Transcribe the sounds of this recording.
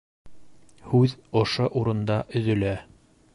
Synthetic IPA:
hʉðŏʃoʔuɾɤ̆nd̪ɑʔɵ̆ðɵ̆læ

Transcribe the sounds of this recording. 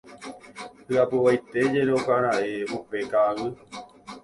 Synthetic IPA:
hɨapɨʋajt̪e̞d͡ʒe̞ɾokaɾaʔeʔupe̞kaʋɨ

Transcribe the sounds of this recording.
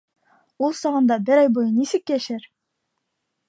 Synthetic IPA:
ulˠsɒʁɤ̆nd̪ɑbɘɾɑjbojɤnisɘkjæʃæɾ

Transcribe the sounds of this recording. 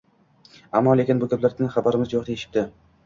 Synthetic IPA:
amːɒle̞kʲɪnbʊkʲʰaplaɾd̪ʲɪnχabaɾɪmɪzjoχt̪aeʃɪ̥p̚d̪ɪ

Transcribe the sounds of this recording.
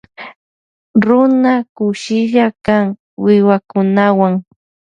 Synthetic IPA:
ɾʊnakʊʃɪʒakaŋ | wɪwakʊnawaŋ

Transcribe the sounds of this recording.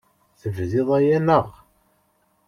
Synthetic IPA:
θəvðɪðˤæjænəʁ

